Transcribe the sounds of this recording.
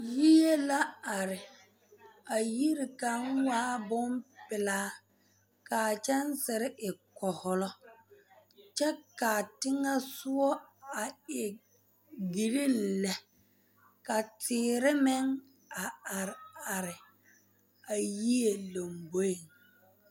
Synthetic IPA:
ji˦je˦la˦a˨ɾɪ˨ | a˨ji˦ɾɪ˨ka˨˦ŋwaː˦bʊ˦mpɪ˨laː˦ | ka˨t͡ʃɛ˦nsɪ˨ɾɪ˦ʔɪ˨kɔ˨hʊ˦˨lɔ˦ | t͡ʃɛ˦ka˨tɪ˦ŋa˦sʊ˦ɔ˦a˨ɪ˨ | ɡi˨ɾi˦n˦lɛ˨ | ka˨tɪː˨ɾɪ˦mɪ˦ŋ | a˨a˨ɾɪ˨a˨ɾɪ˨ | a˨ji˦je˨lo˨mbo˦i˨ŋ

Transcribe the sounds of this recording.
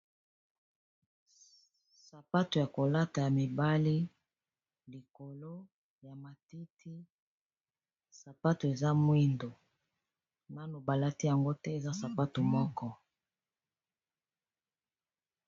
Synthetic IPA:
sa˨pa˦to˨ja˨ko˨la˦ta˨ja˨mi˨ba˦li˦ | li˨ko˨lo˦ | ja˨ma˨ti˦tʰi˦ | sa˨pa˦to˨e˨za˦mwi˦ndo˨ | na˦no˨ba˨la˦ti˦ja˨ŋɡo˦tɛ˦e˨za˦sa˨pa˦to˨mɔ˦kɔ˦

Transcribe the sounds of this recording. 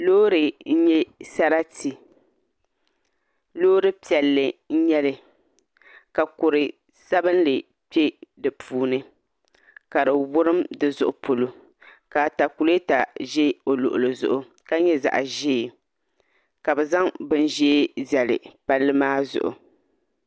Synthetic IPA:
loː˦ɾɨ˨n̩˦ɲɛ˦sa˦ɾa˦ti˨ | loː˦ɾɨ˦pi˨ɛ˨lːɨ˨n̩˦ɲɛ˦lɨ˨ | ka˨kʊ˨ɾɨ˨ | sa˦bɨ˦n˦lɨ˨ | pi˦e˦dɨ˨pʰuː˦nɨ˦ | ka˨ɾɨ˨wʊ˦ɾɨ˦mdɨ˨zʊ˦ʔʊ˦pʰo˨lo˦ | ka˨ta˨ku˨lta˨ʒɛ˦o˨lʊ˨ʔʊ˨lɨ˨zʊ̰˦ʔʊ˦ | ka˦ɲɛ˦za̰˨ʔa̰˨ʒiː˦˨ | ka˨bɛ˨za˦ŋbɨ˦n˦ʒɛ˦zɛ˨lɨ̰˨pa˦lːɨ˦maː˦zʊ̰˨ʔʊ̰˨

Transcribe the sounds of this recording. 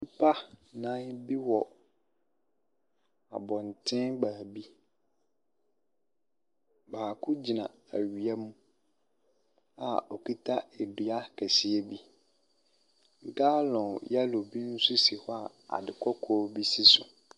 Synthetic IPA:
pʰa˦nã˦bi˦wɔ˨ | a̰˨bɔ̃˨n˨tʰɪ̃˦baː˨bi˦ | baː˨kʰʊ˦d͡ʑi˨nã˨æ̰˨ɥi˨a˦mũ˦ | a̰˨ɔ˨ki˦tʰa˦ɛ˨dʊ˨a˦kʰɛ˨si˨ɛ˦bi˦ | ŋ̩˦˨ka˦lɔ̃˨ja˦lo˨bi˦n̩˦sʊ˦si˨hɔ˦a˦˨ | a̰˨dɪ˨kʰɔ˦kʰɔ˦bi˦si˦sʊ˨

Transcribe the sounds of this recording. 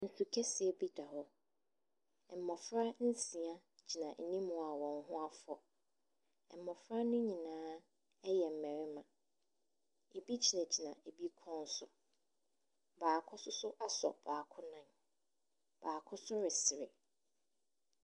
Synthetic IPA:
n̩˨su˨kʰɛ˦sɪ˨ɛ˨bi˦da˨hɔ˦˨ | m̩˨mɔ̃˨fɾa˦n̩˦sĩ˨a˦ | d͡ʑi˨nã˨n̩˨nĩ˦mʊ̃˨a˨wɔ̃˨ŋ˨ɦʊ̃˦a˦fɔ˨ | ɛ˨m˨mɔ̃˨fɾa˦nʊ̃˦ɲĩ˨nãː˦ | ɛ˦jɛ˨m̩˨mɛ̃˨ɾɪ˦mã˨ | e˨bi˦d͡ʑi˨nã˨d͡ʑi˨nã˨e˨bi˦kʰɔ̃˦n˦sʊ˨ | baː˨kʰʊ˦sʊ˦sʊ˦ʔa˦sɔ̰˨b̥aː˨kʰʊ˦nã˦n | b̥aː˨kʰʊ˦sʊ˦ɾɪ˨sɪ˨ɾɪ˨

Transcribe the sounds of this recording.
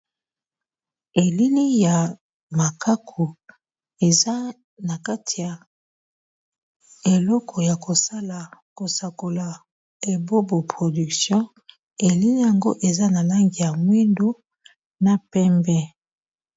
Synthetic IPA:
e˨li˦ni˦ja˨ | ma˨ka˦kʰo˨ | e˨za˦ | na˨ka˦tʰi˨ja˨ | e˨lɔ˦kʰɔ˨ja˨ko˨sa˦la˨ko˨sa˨ko˨la˨ | e˨bo˦bo˨pʁo˨dy˨ksjɔ̃˦ | e˨li˦ni˦ja˨ŋɡo˦ʔe˨za˦na˨la˦ŋɡi˨ja˨mwi˦ndo˦ | na˦pɛ˦mbɛ˦

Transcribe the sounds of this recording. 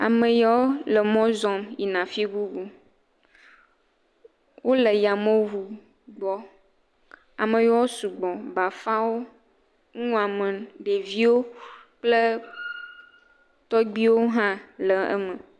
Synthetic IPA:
a̰˨mə˨jɔ˦wlə˨mɔ̃˦zɔ˨mji˨nã˨fi˦ɡu˦ɡu˦ | wʔo˦lə˨ja˨mõ˦wu˨ | ɡ͡bɔ˦ | a̰˨mə̃˨jɔ˦wo˦su˨ɡ͡bɔ̃˨ba˨fa˦wo˦ | ŋũ˦a˨mə̃˨ɖe˨vi˦wo˦k͡plə˦ | t̪ɔ˦ɡ͡bi˦wo˦ɦã˦lə˨ɛ̰˦mə̃˨

